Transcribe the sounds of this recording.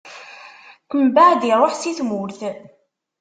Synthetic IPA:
kəmbad̪iɾˤoħsiθmʊɾθ

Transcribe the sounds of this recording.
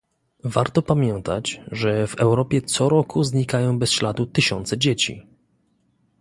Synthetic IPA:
vaɾt̪ɔpamʲjɛnt̪a̰t͡ɕʐɛvɛwɾɔpʲjɛt̪sɔɾɔkʰuzɲikajɔ̃w̃bɛsɕlad̪ut̪ɘɕɔnt̪sɛd͡ʑet͡ɕḭ

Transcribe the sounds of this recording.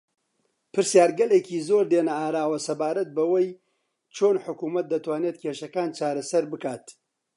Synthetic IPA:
pʰɨɾsjaːɾɡɐleːkiːzoɾd̪enɐaːɾaːwɐsɐbaːɾɐt̪̚bɐwɐj | t͡ʃʰoːnħʊkuːmɐt̪̚d̪ɐt̪waːnet̪̚kʰeːʃɐkaːnt͡ʃaːɾɐsɐɾbɨkaːt̪

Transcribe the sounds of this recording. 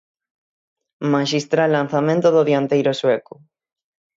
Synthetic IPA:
maʃist̪ɾalːanθamẽnt̪oðoðjant̪ejɾosweko

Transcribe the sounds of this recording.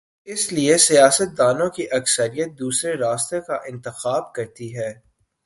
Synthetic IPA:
ɪsliesijaːsət̪̚d̪aːnõkiʔɐksəɾijət̪̚d̪uːsɾeɾaːst̪ekaʔɪ̃nt̪ɪxaːb̚kɐɾt̪iɦɛː

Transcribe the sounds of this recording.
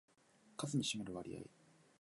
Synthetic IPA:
kazɨɲ̟iɕimeɾɯ̟βaɾʲḭja̰ḭ

